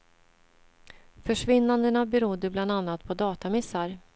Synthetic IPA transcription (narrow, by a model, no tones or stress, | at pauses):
fœʂvɪnːand̪ənabɛɾʊd̪ːəbland̪anːat̪̚pʰɔd̪ɑːt̪amɪsaɾ